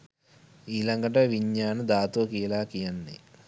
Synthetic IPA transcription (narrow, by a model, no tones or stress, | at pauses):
iːlɐŋɡɐʈɐʋiɲːaːnɐd̪aːt̪oːkiːlaːkijɐnːḭ